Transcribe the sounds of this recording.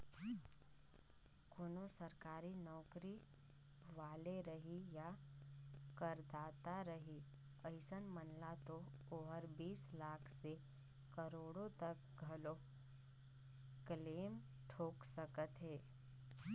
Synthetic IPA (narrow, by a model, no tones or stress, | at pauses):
koːnosəɾkaːɾinɔːkɾi | ʋaːleɾəɦija | kəɾd̪aːt̪aɾəɦiəɪsənmənlat̪o | oːɦəɾbiːslaːkʰse | kəɾoːɽõt̪ək | ɡʱɐlo | kleːm | ʈʰoːksəkət̪ɦɛː